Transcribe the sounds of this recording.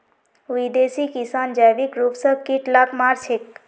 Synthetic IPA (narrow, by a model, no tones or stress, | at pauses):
ʋid̪esikisaːnd͡ʒajʋikɾupsəb̚ʱkiʈlakmaɾt͡ʃʰek